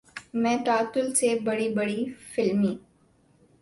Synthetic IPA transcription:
mɛ̃ːʈaːt̪ʊlsebɐɽibɐɽifɪlmiː

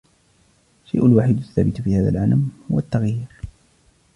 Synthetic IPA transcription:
ʃajʔʊlwaːħid̪ʊθːa̰ːbɪt̪fiːhaːða̰lʕanamhʊwat̪ːaɣjiːɾ

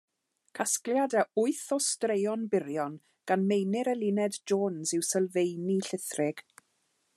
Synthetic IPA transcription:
kʰaskljadaʊɨθɔstrejɔnbɪɾjɔn | ɡ̥anmejnɪɾɛlˠɪnɛdd͡ʒoːnzɪwsɛlˠvejniɬɪθrɪɡ̥

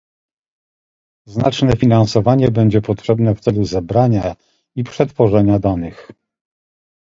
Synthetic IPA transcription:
znat͡ʂnɛfʲinansɔvaɲɛbɛɲd͡ʑɛpɔtʂɛbn̪ɛft̪sɛluzɛbɾaɲa | ipʂɛt̪fɔʐɛɲad̪anɘx

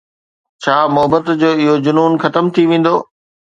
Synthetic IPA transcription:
t͡ɕʰaːmʊɦbət̪d͡ʑoːɪɦod͡ʑʊnuːnxɐt̪əmt̪ʰiʋẽːn̆d̪oː

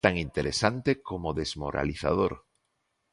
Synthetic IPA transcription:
t̪aŋint̪eɾesant̪ekomoðezmoɾa̰liθa̰ðoɾ

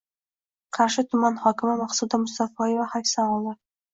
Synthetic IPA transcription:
qʰɑɾʃɪt̪ʰʊmanhɒkʲʰɪmɪmaχsud̪amʊst̪afɒjevahafʲsaɒlˠɪ

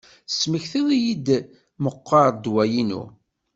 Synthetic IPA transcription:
sməçθiðijid̪ | məqːɑɾˤd̪wæjinṵ

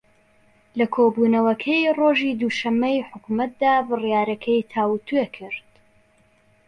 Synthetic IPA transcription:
lɐkʰoːbuːnɐwɐkʰɐjroʒiːd̪uːʃɐmːɐjħʊkumɐt̪̚d̪aːbɨrjaːɾɐkʰɐjt̪ʰaːwt̪ʰuekʰɨɾd̪̥

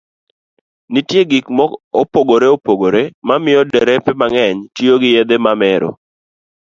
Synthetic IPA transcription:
nitjeɡikmɔopoɡoɾeopoɡoɾemamɪjɔdɛɾɛpɪmaŋɛɲtioɡɪjed̪emamɛɾo̰

